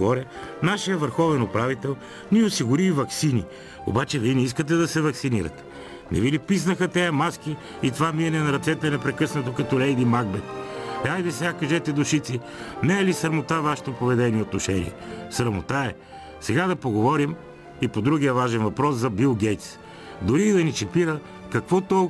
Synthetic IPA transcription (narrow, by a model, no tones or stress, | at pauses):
ɡɔɾɛnaʃijəvəɾxɔvɛnʊpɾavit̪ɛlˠ | niosiɡʊɾivɐksini | o̰bat͡ʃɛviɛnɛiskət̪ɛd̪ɐsɛvɐksiniɾɐ̰t̪ɛ̥ | nɛ̰vilipis̬nɐxɐt̪ɛjɐmask̟i | it̪ovamiɐnɛnɐɾɐt̪sɛt̪əɛnɛpɾɛkɤsnɐt̪okɐt̪ɔlɛjd̪imaɡ̚bɛt̪ajd̪ɛsɛɡakɐʒɛt̪ɛd̪ʊʃit̪si | nɛɛlisɐɾmot̪avaʃɛ̥t̪opovɛd̪ɛniɛot̪noʃɛnḭɛsɾɐmot̪aɛ | sɛɡad̪ɐpoɡovɔɾim | ipod̪ɾuɡijəvaʒɛnvɐpɾɔszɐbilˠɡɛjt̪s | d̪ʊɾiːd̪ɐnit͡ʃɛpiɾə | kɐkvɔt̪ɔ